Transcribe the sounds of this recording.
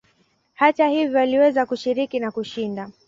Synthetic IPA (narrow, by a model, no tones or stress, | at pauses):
hatahivjɔaliwɛzakuʃiɾikinakuʃinda